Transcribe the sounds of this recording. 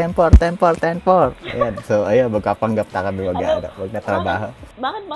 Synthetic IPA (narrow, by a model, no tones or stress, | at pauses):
ɛmpɔrt̪ɛmpɔrt̪ɛmpɔrjasoajabəkapaŋɡap̚t̪akabiwaɡa̰da̰bak̚ɲat̪əɾabaɦə